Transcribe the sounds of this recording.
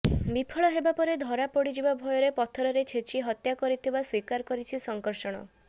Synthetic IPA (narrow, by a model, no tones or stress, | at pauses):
bipʰɔɭɔɦebapɔɾed̪ʱɔɾapɔɽid͡ʒibabʱɔjɔɾepɔt̪ʰɔɾɔɾet͡ʃʰet͡ʃʰiɦɔt̪jakɔɾit̪ʰibaswikaɾkɔɾit͡ʃʰisɔŋkɔɾʃɔɽ̃ɔ̰